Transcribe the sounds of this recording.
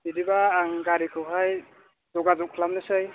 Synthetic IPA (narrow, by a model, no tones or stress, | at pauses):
didibaːŋɡaɾikʰɯwɦaj | zɔɡazɔkʰlamnɯsɯj